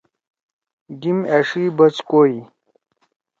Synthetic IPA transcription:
ɡimeʂibɐt͡ɕkoji

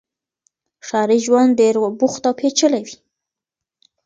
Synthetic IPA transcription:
ʃɑɾiʒwand̪eɾbuxt̪awpʰet͡ʃəlawi

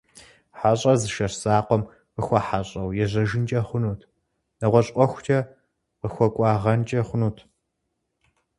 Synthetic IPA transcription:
ħaɕʼɐzɨʃɐrsaːqʷɔm | qəxʷɐħaɕʼɐwjɛʑɐʒɪnt͡ʃʼɐχʷʊnuːtʰ | nɐʁʷɔɕʼʷɔxʷʊt͡ʃʰɐ | qəxʷɔkʷʼɑːʁɐnt͡ʃʼɐχʷʊnuːtʰ

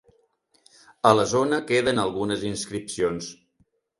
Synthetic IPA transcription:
ələzonəkeðənəlˠɣunəzinskɾipsions

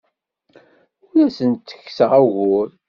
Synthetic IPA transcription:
ʊlæsənt̪ːə̥kːsəʁæʝʊɾ

